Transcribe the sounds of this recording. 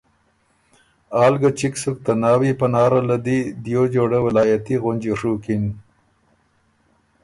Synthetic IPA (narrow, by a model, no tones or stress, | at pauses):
ɑːlɡat͡ʃiksuk̚t̪anɑːwipənɑːɾalad̪id̪jod͡ʒoɽawɪlɑːjat̪iɣʊnd͡ʒoʂukin